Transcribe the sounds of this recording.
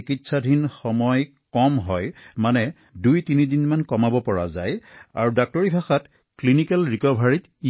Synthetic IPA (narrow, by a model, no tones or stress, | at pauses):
ikitsadʱinxɔmɔj | kɔmɦɔjmanɛ | dujtinidinmankɔmabɔpɔɹa̰za̰ja̰ɹudak̚tɔɹibʱaxat | klinikɛlɹikɔbʱaɹit | i